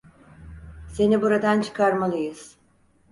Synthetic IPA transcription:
se̞nibuɾad̪ant͡ʃʰɯ̥kʰaɾmalˠɯjɯz̥

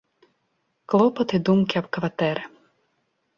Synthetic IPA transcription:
klˠɔpɔt̪ɪd̪umkɪɐbkʋɐt̪ɛɾɪ

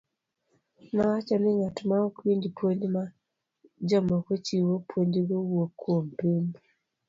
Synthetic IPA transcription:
nawat͡ʃɔnɪŋatmaɔkwiɲd͡ʒpwoɲd͡ʒma | d͡ʒɔmɔkot͡ʃiwopwoɲd͡ʒɡowokːwompiɲ

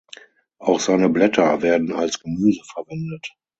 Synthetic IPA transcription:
ʔaʊxz̥aɪnəblɛtʰɐveːɐdn̩alsɡ̥əmyːzəfɛɐvɛndət

